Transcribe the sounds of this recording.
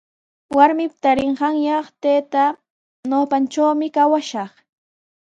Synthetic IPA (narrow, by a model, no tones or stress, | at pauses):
waɾmɪpt̪aɾɪɴɢɑŋjɑχt̪eːt̪a | noːpant͡ʃawmɪkawaʃɑχ